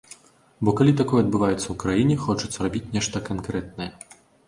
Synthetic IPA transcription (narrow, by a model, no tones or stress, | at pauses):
bɔkalʲit̪akɔjɛɐd̪̚bɨvajɛt̪sːɐwkɾajinʲɛxɔt͡ʂu̥t̪sɐɾabʲit͡sʲnʲɛʂt̪ɐkankɾɛt̪̚nɐjɐ